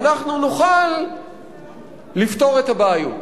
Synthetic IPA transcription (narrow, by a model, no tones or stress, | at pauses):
naχnunuχal | ifto̞ʁe̞tabaajṵt